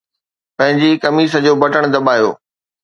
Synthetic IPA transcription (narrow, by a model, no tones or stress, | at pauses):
pɐ̃ɦɪ̃ɲd͡ʑikɐmiːs̬ə̆d͡ʑoːbɐʈəɽ̃d̪ɐbaːjo̰ː